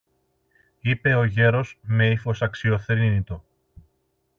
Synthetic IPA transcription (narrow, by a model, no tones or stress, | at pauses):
ipe̞o̞ʝe̞ɾo̞sme̞ifo̞sɐksio̞θɾinit̪o̞